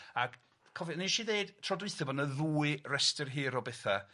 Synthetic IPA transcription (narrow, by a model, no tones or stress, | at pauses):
ak | kʰɔviniʃiðeɨd̥tʰrɔdwɨθɛbɔnəðuːɨrɛstɪrɦiːɾɔbɛθa